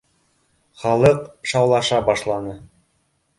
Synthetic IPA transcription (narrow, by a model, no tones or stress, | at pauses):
χɑlˠɤqʃɑwlˠɑʃɑbɑʃlˠɑnɤ